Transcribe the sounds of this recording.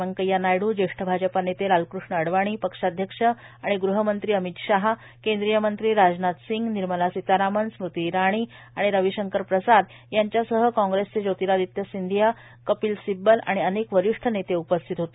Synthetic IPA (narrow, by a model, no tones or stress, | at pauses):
əŋkəjanajɽuːd͡ʑeʂʈʰəbʱad͡ʑəpanet̪eɾalkɾuʂɳəəɽʋaɽ̃iːpəkʂad̪ʱjəkʂə | aɽ̃iɡɾuɦəmənt̪ɾiːəmit̪ɕaɦa | kend̪ɾijəmənt̪ɾiːɾad͡znat̪siŋɡniɾməlasit̪aɾamənsmɾut̪iɾaɽ̃iː | aɽ̃iɾəʋiɕəŋkəɾpɾəsad̪ | jaɲt͡ɕjasəɦəkɔ̃ŋɡɾest͡sed͡ʑot̪iɾad̪it̪jəsind̪ʱija | kəpiːlsibəla̰ɽ̃iənekʋəɾiʂʈʰənet̪eupəst̪ʰit̪ɦot̪o